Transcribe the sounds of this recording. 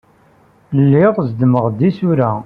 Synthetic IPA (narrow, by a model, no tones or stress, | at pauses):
lːɪʁzd̪məʁd̪isʊɾæ